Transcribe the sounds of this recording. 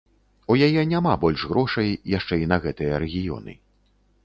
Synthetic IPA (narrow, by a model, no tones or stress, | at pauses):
ujajɛnʲamabɔlʲʂɣɾɔʂɐjjaʂt͡ʂɛinɐɣɛt̪ɨjɐɾɛɣʲijɔ̰nɨ̰